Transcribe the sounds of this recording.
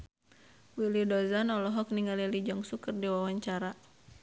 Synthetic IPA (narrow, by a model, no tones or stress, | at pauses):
wilidɔzanɔlɔɦɔk̚niŋalilid͡ʒɔŋsukərdiwawaɲt͡ʃaɾa